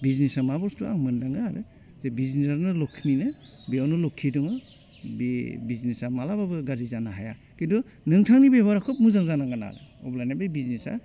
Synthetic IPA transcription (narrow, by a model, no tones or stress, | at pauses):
biznisamabɔstua̰ŋmɯndaŋɯaɾɯ̰ | zebiznaɾnɯlɔkʰːininɯ | biawnɯlɔkʰːidɔŋɯ | bibiznesamalababɯɡazizanaɦaja̰ | kindɔ | nɯŋtʰaŋnibeβaɾakʰɔp̚muzaŋzanaŋɡana̰ɾɯ̰ɔ̰blajnabɯjbiznesa̰